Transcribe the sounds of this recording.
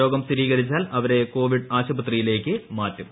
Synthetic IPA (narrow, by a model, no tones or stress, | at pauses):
o̞ːɡɐmst̪iɾiːkɐɾit͡ɕːaːlɐʋɐɾe̞ko̞ːʋiɖaːɕɐbɐt̪rijile̞ːkːɨmaːtːum